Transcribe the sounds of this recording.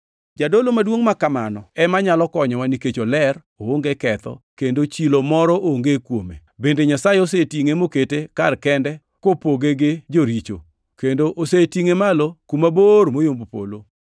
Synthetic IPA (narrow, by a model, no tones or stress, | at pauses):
d͡ʒadolomadwoŋmakamanɔɛmaɲalɔkɔɲɔwaniket͡ʃolɛr | ooŋɡekɛt̪ɔ̰kendot͡ʃilomɔɾɔʔoŋɡekwomḛbendeɲasajeosetiŋemoketekarkɛndɛ | kopoɡeɡed͡ʒoɾit͡ʃo̰ | kendoʔosetiŋemalokumabormojombopo̰lo